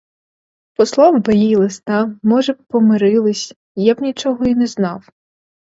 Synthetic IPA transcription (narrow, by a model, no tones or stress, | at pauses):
pɔslˠɑwbɐjijlˠɪst̪ɑmɔʒɛpɔmɪɾɪlˠɪsʲ | jabnʲit͡ʃɔɦɔinɛznɑw